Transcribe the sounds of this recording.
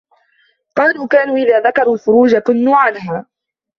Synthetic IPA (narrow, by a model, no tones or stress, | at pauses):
qɑːluːkaːnuːʔɪðaːðakɑɾˤuːlfʊɾuːd͡ʒakʊnːuːʕanhaː